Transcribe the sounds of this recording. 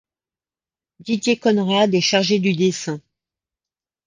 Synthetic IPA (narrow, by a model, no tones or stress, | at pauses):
d̪id̪jekɔnʁad̪ɛʃaʁʒed̪yd̪esɛ̃